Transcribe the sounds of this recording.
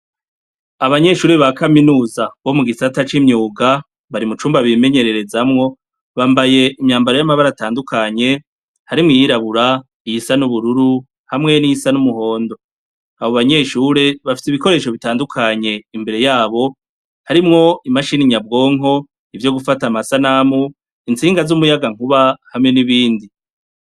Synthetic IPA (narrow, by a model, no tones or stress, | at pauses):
aβaɲe̞ʃuːɾeβakaminuːzaβo̞muɡisatat͡ʃimɲuːɡa | βaɾimut͡ʃuːmbaβime̞ɲe̞ɾe̞ɾe̞zamŋo̞ | βaːmbaje̞ʔimɲaːmbaɾo̞jamaβaɾataːndukʰaɲe̞ | haɾimŋijiɾaβuɾa | ijisanuβuɾuɾu | hamŋe̞niisanumuho̞ːndo̞ | aβoβaɲe̞ːʃuːɾe̞βafi̥siβiko̞ɾe̞ːʃo̞βitaːndukʰaɲe̞imbe̞ɾe̞jaːβo̞ | haɾimŋo̞imaʃiniɲabɡo̞ːŋɦo̞ | ivjo̞ɡufatamasanamu | int͡siːŋɡazumujaɡaŋ̥uβahamŋe̞niβiːndi